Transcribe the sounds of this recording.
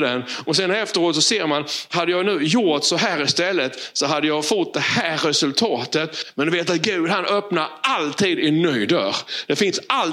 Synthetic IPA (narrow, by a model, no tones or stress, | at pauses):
d̪ɛnɔsɛnɛft̪əɾoːt̪sɔseːɾmanɦad̪ːəjɑːɡnʉ̟ːjʊt̪sɔɦæːɾɪst̪ɛlːət̪sɔɦad̪ːəjɑːfɔʈ̚d̪ɛhæːɾːɛsɵlt̪ʰɑːt̪ət̪mɛnd̪ɛveːt̪at̪̚ɡʉ̟ːd̪hanʔœpnaɾalt̪ʰiːd̪ɪnœjd̪œ̰ːɾd̪̥ɛfɪnsal